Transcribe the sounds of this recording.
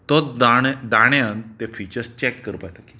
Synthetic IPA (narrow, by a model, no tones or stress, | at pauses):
t̪ɔd̪ad̪aɽ̃eant̪efit͡ɕəɾst͡ɕɛkːəɾpajt̪aki̥